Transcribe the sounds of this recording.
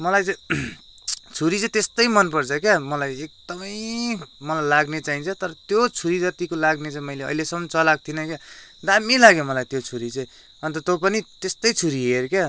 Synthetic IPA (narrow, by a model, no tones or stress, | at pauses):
mʌlajt͡saj̃ | t͡sʰuɾit͡sʌĩt̪est̪ʌjmʌnpʌrt͡sʰʌkjamʌlajek̚d̪̥ʌmʌjmʌlajlaɡnet͡saɦint͡sʰʌt̪ʌɾʌt̪jot͡sʰuɾidʌt̪ikolaɡnet͡saĩmʌjleʌ̰jlesʌmːʌnt͡sʌlaɡ̚t̪ʰinʌkjad̪amilaɡjomʌlajt̪jot͡sʰuɾit͡sʌĩ | ʌnt̪ʌt̪opʌnit̪est̪ʌjt͡sʰuɾiɦeɾkja